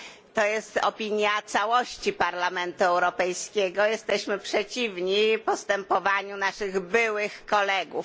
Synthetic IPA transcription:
t̪ɔjɛst̪ɔ̰pʲiɲjat̪sawɔɕt͡ɕipaɾlamɛnt̪uɛwɾɔpɛjskʲɛɡɔjɛst̪ɛɕmɘpʂɛt͡ɕivɲipɔst̪ɛmpɔvaɲunaʂɘɣbɘwɘxkɔlɛɡuf

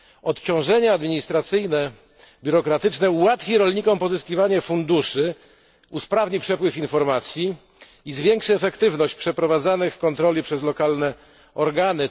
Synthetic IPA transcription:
ɔt̪t͡ɕɔ̃w̃ʐɛɲɛad̪mʲiɲist̪ɾat̪sɘjnɛ | bʲuɾɔkɾat̪ɘt͡ʂnɛuwat̪fʲiɾɔlɲikɔmpɔzɘskʲivaɲɛfund̪uʂɘ | uspɾavɲipʂɛpwɘfinfɔɾmat̪sʲjiː | zvʲjɛŋkʂɘɛfɛkt̪ɘvnɔɕt͡ɕpʂɛpɾɔvad̪zanɘxkːɔnt̪ɾɔlʲipʂɛzlɔkalnɛ | ɔɾɡanɘ

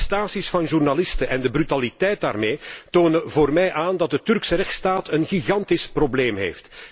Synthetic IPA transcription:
staːsisfɑnʒurnalɪstəʔɛndəbrytalitɛjt̚da̰ːrmeːtoːnəvoːrmɛjʔaːndɑt̚dətʏrksəɾɛxtstaːtənɣiɣɑntɪsprobleːmɦḛːft

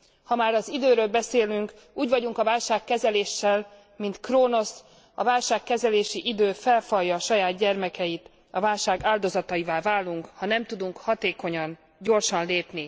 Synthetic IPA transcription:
hɒmaːɾɒzid̪øːɾøːlbɛseːlyŋk | uːɟvɒɟuŋkɒvaːlʃaːkːɛzɛleːʃːɛl | mint̪kroːno̞s | ɒ̰vaːlʃaːkːɛzɛleːʃiʔid̪øːfɛlfɒjːɒːʃɒjaːd̪ɟɛrmɛkɛjit̪ | ɒvaːlʃaːɡaːld̪o̞zɒt̪ɒjivaːlvaːlːuŋkhɒnɛmt̪ud̪uŋkhɒt̪eːko̞ɲɒn | ɟo̞rʃɒnleːpni

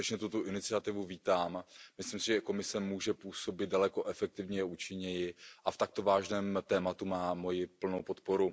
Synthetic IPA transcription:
ɛt͡ʃɲɛt̪ut̪oʔɪnɪt͡sɪat̪ɪvuviːt̪aːmmɪslɪmsɪʒɛko̞mɪsɛmuːʒɛpuːso̞bɪt̪̚dalɛko̞ʔɛfɛk̚t̪ɪvɲɛɛʔuːt͡ʃɪɲɛjɪʔaft̪ak̚t̪o̞vaːʒnɛːmt̪ɛːmat̪umaːmo̞jɪpl̩nowpo̞t̪po̞ɾu

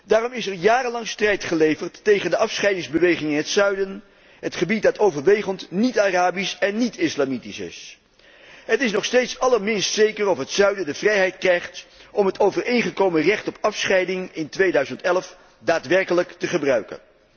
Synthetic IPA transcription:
daːrɔmɪsɛɹjaːrənlɑŋstrɛjtχəlejvəɹtːejχəndəʔɑfsχɛjdɪŋzbəʋejχɪŋɪnɦətsœɥdən | ɦətχəbit̚dɑtowvəɹʋejχəntnitaraːbisɛnːitɪslamitisɪ̰s | ɦətɪsnɔχstejtsɑləɹmɪnstsejkərɔfɦətsœɥdəndəvrɛjɦɛjtkrɛjχtʔɔmɦətowvəɹejnχəkowmərɛχtɔpɑfsχɛjdɪŋɪntʋejdœɥzəntɛlf | daːtʋɛɹkələktəχəbrœɥkə̰n

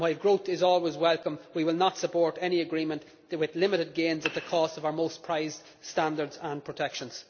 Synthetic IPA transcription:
waɪvɡɹoʊθɪzɔːlˠwɪzwɛlˠkə̃mwiwɪlˠnətsəpʰɔːɹɾɛniəɡɹĩmə̃nʔ | wɪðlɪ̃mɪɾɪd̚ɡẽːnzət̪̚ðəkʰɔstʌvaʊə˞moʊspʰɹ̥aɪz̥ | stãndə˞dzə̃npʰɹ̥ətʰɛkʃə̃nz̥

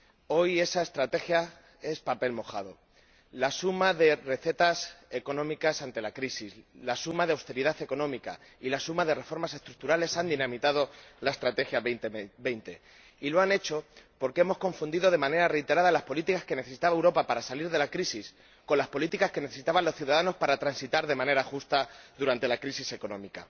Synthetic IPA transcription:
o̞je̞sae̞st̪ɾat̪e̞xja | e̞spape̞lmo̞xaðo̞ | lasumaðe̞re̞θe̞t̪ase̞ko̞nõ̞mikasant̪e̞lakɾisizlasumaðeawst̪e̞ɾiðaθe̞ko̞nõ̞mika̰ | ilasumaðe̞re̞fo̞ɾmase̞st̪ɾuk̚t̪uɾale̞sand̪inãmit̪aðo̞lae̞st̪ɾat̪e̞xjat̪be̞jnt̪e̞̰ | ilo̞ane̞t͡ʃo̞po̞ɾkee̞mo̞sko̞ɱfund̪iðo̞ð̞e̞mãne̞ɾare̞jt̪e̞ɾaðalaspo̞lit̪ikaske̞ne̞θesi̥t̪aβaewɾo̞papaɾasaliɾðe̞lakɾisis | ko̞nlaspo̞lit̪ikaske̞ne̞θe̞sit̪aβalo̞sθjuðaðano̞spaɾat̪ɾansit̪aɾðe̞mãne̞ɾaxust̪aðuɾant̪e̞lakɾisise̞ko̞nõ̞mika̰

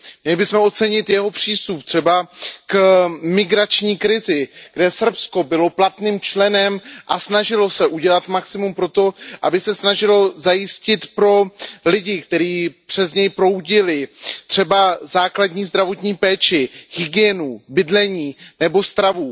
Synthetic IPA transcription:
mmɲɛlɪbɪsmɛo̞t̪t͡sɛɲɪt̪jɛɦo̞pr̝̥iːst̪up̚t̪r̥ɛbakmɪɡɾat͡ʃɲiːkɾɪzɪɡdɛsr̩psko̞bɪlo̞plat̪niːmt͡ʃlɛnɛmʔasnaʒɪlo̞sɛʔuɟɛlat̪maksɪmumpɾo̞t̪o̞ʔabɪsɛsnaʒɪlo̞zajɪscɪt̪pɾo̞lɪɟɪkt̪ɛɾiːpr̝̥ɛzɲɛjpɾo̞wɟɪlɪt̪r̥ɛbazaːkladɲiːzd̪ɾavo̞t̪ɲiːpɛːt͡ʃɪɣɪɡɪɛnubɪdlɛɲiːnɛbo̞st̪ɾavu

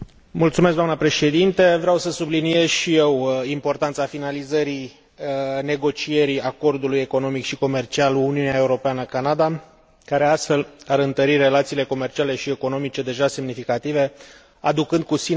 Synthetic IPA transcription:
mult̪sumeskd̪amnəpɾe̞ʃe̞d̪int̪e̞vɾeawsəsublinie̞zʃije̞wimpo̞rt̪ant̪safinalizəɾi | ne̞ɡo̞t͡ʃije̞ɾiako̞rd̪uluje̞ko̞no̞mikʃiko̞me̞rt͡ʃialuuniunaeuɾo̞peanəkanad̪a | kaɾe̞ast̪fe̞laɾɨnt̪əɾire̞lat̪siːle̞ko̞me̞rt͡ʃiale̞ʃie̞ko̞no̞mit͡ʃe̞d̪e̞ʒasemnifikat̪ive̞ | ad̪ukɨnd̪̚kusi

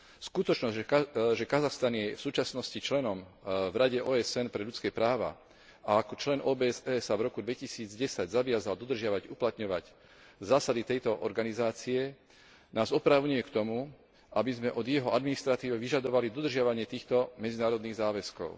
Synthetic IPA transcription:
skut̪ɔt͡ʃnɔʒɛkazaxst̪anjɛfsuːt͡ʃasnɔscit͡ʃlɛnɔmvɾaɟɛʔɔːɛsɛnpɾɛʎut͡skɛpɾaːʋa̰ | aakɔt͡ʃlɛnʔɔːbɛsɛːsavɾɔkud̪ʋɛcisiːd͡zɟɛsaɟzaʋɪazald̪ɔd̪r̩ʒɪaʋaɟuplat̪ɲɔʋac | zaːsad̪it̪ɛjt̪ɔʔɔ̰ɾɡanizaːt͡siɛ | naːzɔpɾaʊɲujɛkt̪ɔmu | ʔabizmɛʔɔd̪jɛɦɔʔad̪minist̪ɾat̪iːʋɛʋiʒad̪ɔʋalid̪ɔd̪r̩ʒɪaʋaɲɪɛt̪iːxt̪ɔmɛd͡zinaːɾɔd̪niːɣzaːʋɛskɔ̰ʊ

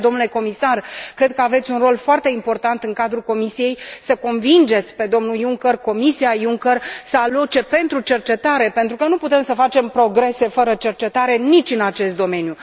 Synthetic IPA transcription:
d̪o̞mnule̞ko̞misarkɾe̞d̪̚kəave̞t̪sʲunro̞lfoart̪e̞impo̞rt̪ant̪ɨŋkad̪ɾuko̞misije̞jsəko̞nvind͡ʒe̞t̪sʲpe̞d̪o̞mnujuŋkərko̞misiajuŋkərsəalo̞t͡ʃe̞pe̞nt̪ɾut͡ʃe̞rt͡ʃe̞t̪aɾe̞pent̪ɾukənuput̪e̞msəfat͡ʃe̞mpɾo̞ɡɾe̞se̞fəɾət͡ʃe̞rt͡ʃe̞t̪aɾe̞nit͡ʃʲɨnat͡ʃe̞st̪d̪o̞me̞nju

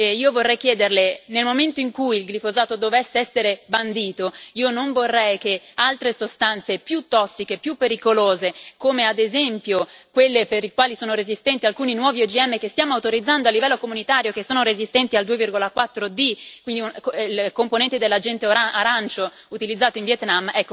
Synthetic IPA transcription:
iːovorːɛjkjɛːd̪erlenelmoment̪oiŋkujilɡlifozaːt̪od̪ovɛsːeɛsːeɾeband̪iːt̪oiːonoɱvorːɛjk̟ealt̪ɾesost̪ant̪sepjut̪ːɔsːikepjupːeɾikoloːzekoːmead̪ezɛmpjokwelːepeɾikwaːlisoːnoɾezist̪ɛnt̪ialkuːninwɔːviod͡ʒiɛmːekest̪jaːmoawt̪oɾid̪zːand̪oalːivɛlːokomunit̪aːɾjokesːoːnoɾezist̪ɛnt̪iald̪uːevirɡolakwat̪ːɾod̪ikwind̪iukilkomponɛnt̪ed̪elːad͡ʒɛnt̪eaɾant͡ʃo | ut̪ilid̪zːaːt̪oiɱvjɛt̪namːɛkːo

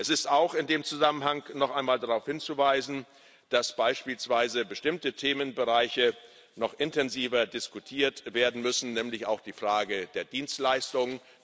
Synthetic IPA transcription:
ʔɛsɪstaʊxɪndeːmt͡suzamənɦaŋnɔχʔaɪnmaːldaʁaʊfhɪnt͡suvaɪzn̩ | d̥asb̥aɪʃpiːlsv̥aɪzəbəʃtɪmtətʰeːmənbəʁaɪçə | nɔχʔɪntɛnziːvɐdɪskutʰiːɐtveːɐdn̩mʏsn̩nɛːmlɪça̰ʊxd̥iːfʁ̥aːɡəd̥eːɐdiːnstlaɪstʊŋ

